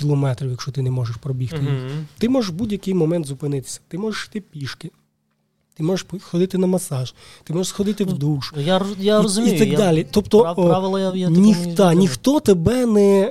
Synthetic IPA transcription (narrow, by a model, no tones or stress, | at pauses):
kʲilˠɔmɛt̪ɾʲiwjɐkʃt͡ʃɔt̪ɪnɛmɔʒeʃpɾɔbʲixt̪ɪjixt̪ɪmɔʒeʃbudʲjɐkɪjmɔmɛnt̪zʊpɪnɪt̪ɪ̥sʲɐ̥t̪ɪmɔʒeʃi̥t̪ɪpʲiʃkɪ | t̪ɪmɔʒeʃpxɔd̪ɪt̪ɪnɐmɐsɑʒ | t̪ɪmɔʒesxɔd̪ɪt̪ɪwd̪uʃjajaɔzʊmʲiiɐd̪ɑlʲit̪ɔpt̪ɔʋɪlˠɐjajanʲiɑnʲixt̪ɔt̪ebɛnɛ